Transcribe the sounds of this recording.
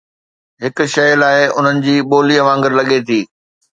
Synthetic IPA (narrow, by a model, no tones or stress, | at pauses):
ɦɪkʊ̆ʃɐjlaːɪʊn̤ənɪ̆d͡ʑiːɓoːliɐʋãːŋɡəɾlɐɠet̪ʰiː